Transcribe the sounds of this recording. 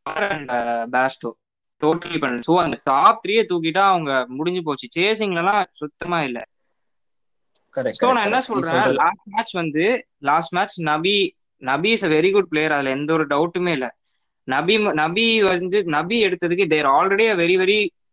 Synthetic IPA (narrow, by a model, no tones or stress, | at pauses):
ɐɐɾɛɳɖbaːsʈoː | ʈoːʈːlipɐɳːsoːɐnd̪ɐʈaːp̚t̪ɾijet̪uːk̬ɪʈːaːɐʋɐŋɡɐmʊɽɪɲd͡ʒɯp̬oːt͡ʃːɯt͡ʃeːs̬ɪŋɡɐɭɛlãːsʊt̪ːɐmaːɪlːɐ̰ | kɐɾɛsoːnãːɛnːɐsɔlɾẽːlaːsʈ̚maːt͡ʃʋɐnd̪ɯ | laːsʈmaːt͡ʃnɐbi | nɐbisɐʋɛɾiɡʊɖ̚pleːjɐɾɐðɪlɛnd̪ɔɾɯɖɐʊʈːɯmeːɪlːɐ | nɐbimnɐbiʋɐd͡ʒɯnɐbiɛɽɯt̪ːɐðɯkːɯd̪eːɾaːlɾɛɽijaːʋɛɾiʋɛɾi